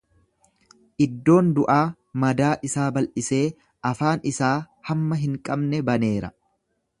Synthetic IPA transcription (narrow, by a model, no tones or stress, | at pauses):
ʔɪd̪ːo̞ːnd̪ʊʔaː | mɐd̪aːʔɪsaːbɐlʔɪse̞ː | ɐfaːnɪsaː | hɐmːɐɦɪŋkʼɐbnɛbɐne̞ːɾɐ̰